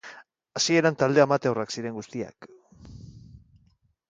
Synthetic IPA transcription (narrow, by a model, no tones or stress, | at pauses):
asie̞ɾant̪ald̪e̞amat̪eoraksiɾe̞ŋɡust̪ia̰k